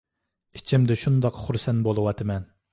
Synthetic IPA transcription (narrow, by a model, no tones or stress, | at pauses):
it͡ʃʰimd̪ɛʃund̪ɑqχuɾsɛnbolˠɨwɑt̪ʰɨmɛn